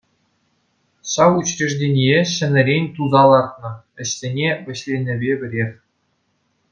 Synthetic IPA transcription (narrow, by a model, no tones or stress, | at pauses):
ɕɑwut͡ɕrʲeʐdʲenʲijeɕɘ̆nʲɘ̆ɾʲenʲt̪uzɑlˠɑrt̪̚nɤ̆ | ɘ̆ɕsʲenʲeʋʲɘ̆ɕlʲenʲɘ̆bʲebʲɘ̆ɾʲerʲ